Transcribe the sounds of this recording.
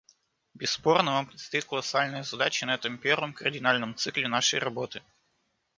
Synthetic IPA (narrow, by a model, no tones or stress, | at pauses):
bʲɪsːpo̞rnəvampɾʲɪt̪st̪ɐit̪kəlˠɐsalʲnɨjəzɐd̪at͡ɕɪnɐɛt̪əmpʲervəmkərʲdʲɪnalʲnəmt̪sɨklʲɪnaʂəjrɐbo̞t̪ɨ